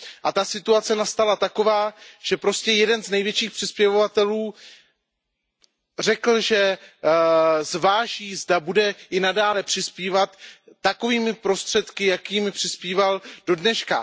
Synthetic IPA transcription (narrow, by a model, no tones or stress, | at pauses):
ʔat̪asɪt̪uat͡sɛnast̪alat̪ako̞vaːʒ̥ɛpɾo̞scɛjɛdɛnznɛjvjɛt͡ʃiːxpr̥ɪspjɛvovat̪ɛluː | r̝ɛkl̩ʒɛ | zvaːʒiːzdabudɛʔɪnadaːlɛpr̝̥ɪspiːvat̪ːako̞viːmɪpɾo̞st̪r̥ɛt̪kɪjakiːmɪpr̥ɪspiːvald̥o̞dnɛʃka